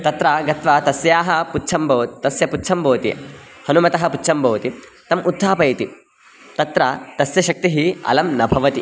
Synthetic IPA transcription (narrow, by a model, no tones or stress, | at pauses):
t̪ɐt̪ɾaːɡɐt̪ʋaːt̪ɐsjaːɦɐputːt͡ʃʰɐmbʱɐːt̪ɐsjɐputːt͡ʃʰɐmbʱɐːt̪ḭ | hɐnumɐt̪ɐɦɐputːt͡ʃʰɐmbʱɐʋt̪i | t̪ɐmʔud̪ʱːaːpɐjt̪i | t̪ɐt̪ɾaːt̪ɐsjɐʃɐk̚t̪iɦiɐ̰lɐmnɐbʱɐʋɐt̪i